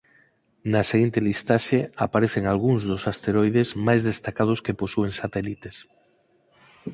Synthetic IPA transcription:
naseɣ̞int̪elist̪aʃeapaɾeθeŋalɣuŋzðosast̪eɾojðezmajzðest̪akað̞oskeposueŋsat̪elit̪es

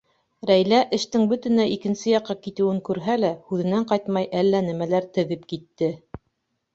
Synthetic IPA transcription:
ɾæjlæʔɘ̆ʃt̪ɘŋbɵt̪ɘ̆næʔikɘ̆nsɘjɑqːɑkit̪ɘ̆wɘŋkʉɾɦælæhʉðɘ̆næɴqɑjt̪mɑjʔælːænæmælæɾt̪ɘ̆ðɘpkit̪ːɘ

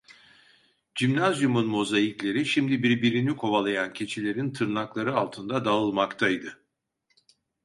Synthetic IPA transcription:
d͡ʒimnazjumunmo̞zajiclʲe̞ɾiʃimd̪ibiɾbiɾinikʰo̞valˠajancʰe̞t͡ʃʰilʲe̞ɾint̪ʰɯɾnaklˠaɾɯalˠt̪ʰɯnd̪ad̪aɯlˠmakt̪ʰajd̪ɯ

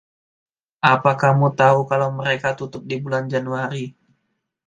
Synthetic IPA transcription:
ʔapahkahmut̪aukalawməɾekat̪ut̪ʊp̚dibuland͡ʒanuaɾi

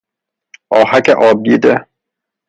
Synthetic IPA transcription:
ɒːhakeʔɒːb̚d̪iːd̪e

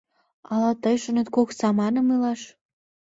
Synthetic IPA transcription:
ɑlɑt̪əjʃə̆net̪koksɑmɑnəmɯlɑʃ

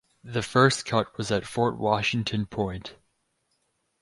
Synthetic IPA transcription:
ðɨfɜ˞skʰʌt̚wʌzɨtfɔɹt̚wɑʃɪ̃ŋtʰɨ̃npʰɔ̃ɪ̃nt

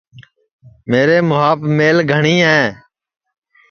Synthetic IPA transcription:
meːɾeːmʊɦaːpmeːlɡʱəɳiːɦɛ̃ː

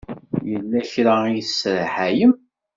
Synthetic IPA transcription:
jəlːæçɾaijsɾħæjəm

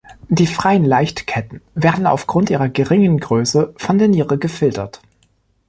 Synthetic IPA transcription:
d̥iːfʁ̥aɪənlaɪçtkʰɛtn̩veːɐdn̩a̰ʊfɡ̥ʁʊntʔiːʁɐɡəʁɪŋənɡʁøːsəfɔndeːɐniːʁəɡəfɪltɐt

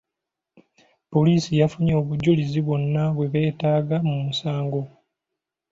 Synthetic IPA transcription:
po̞liːsijafuɲoːβuɟuliziβo̞nːaβwe̞βe̞ːtaːɡamumusaːŋɡo̞

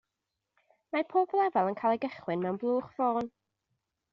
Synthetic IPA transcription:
mapʰoːblˠɛvalˠənkʰaːjlˠɛɡəχwɪnmɛwnblˠuːχvoːn

